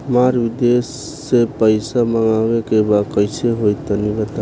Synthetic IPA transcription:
maɾbid̪esː | epəɪsaməŋawekebakəɪseɦojt̪ːənibət̪a

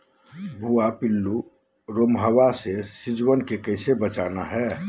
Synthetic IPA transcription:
bʱuapilːu | ɾomɦəwasesid͡ʒwənkekəɪsebət͡ʃaːnaɦɛ

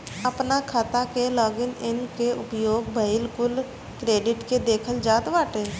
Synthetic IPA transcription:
əpnakʰaːt̪akelɔːɡɪnɪnkeʊpjoːɡbʱəɪlkʊl | kɾeːɖɪʈked̪eːkʰəld͡ʒaːt̪ʋaːʈeː

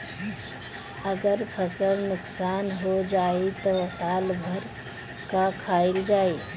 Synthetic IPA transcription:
əɡəɾpʰəsəlnʊksaːnɦod͡ʒaːet̪oəsaːlbʱəɾ | kakʰaːɪld͡ʒaːe

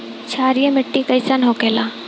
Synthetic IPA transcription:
t͡ʃʰaːɾijẽmɪʈːikɐjsanɦokeːlaː

